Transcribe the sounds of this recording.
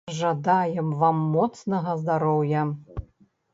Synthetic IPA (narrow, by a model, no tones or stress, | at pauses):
ʐad̪ajɛmvamːɔt̪snɐɣɐzd̪aɾɔwjɐ